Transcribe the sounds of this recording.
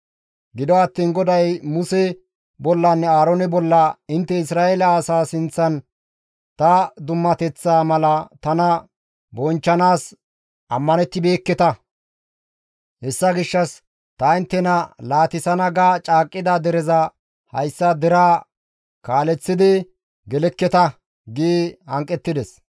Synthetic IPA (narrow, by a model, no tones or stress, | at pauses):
ɡɪd̪ɔɐt̪ːiːnɡɔd̪ɐjmʊsɛ | bɔlːɐnːɛaːɾonɛbɔlːɐɪnt̪ːɛɪsɾaːʔelɐasaːsɪnt͡sːɐn | t̪ɐd̪ʊmːɐt̪ɛt͡sːaːmɐlɐt̪ɐnɐ | bɔnt͡ʃːɐnaːs | ʔɐmːɐnɛt̪ːɪbe̞ːkːɛt̪ɐ | hɛsːɐɡɪʃːɐs | t̪ɐɪnt̪ːɛnɐlaːt̪ɪsɐnɐɡaːt͡ʃʼaːkʼːɪd̪ɐd̪ɛɾɛzɐ | hɐ̰jsːɐd̪ɛɾaː | kaːlɛt͡sːɪd̪ɪ | ɡɛlɛkːɛt̪ɐ | ɡiːhɐŋkʼːɛt̪ːɪd̪ɛs